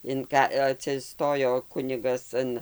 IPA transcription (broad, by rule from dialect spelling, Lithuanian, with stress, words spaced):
ɪn ˈkɐ ɐtʲsʲɪˈstoːjoː ˈkʊnʲɪɡɐs ˈɐn